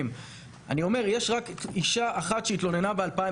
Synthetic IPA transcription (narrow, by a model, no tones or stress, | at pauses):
m | ʔa̰nio̞me̞ʁjeʃʁakiʃaaχat̪ʃeit̪lo̞ne̞nabealpaĩ